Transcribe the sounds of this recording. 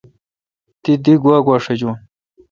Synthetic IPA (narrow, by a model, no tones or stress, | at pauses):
t̪id̪iɡwaːɡwaːʂɐd͡ʑuːn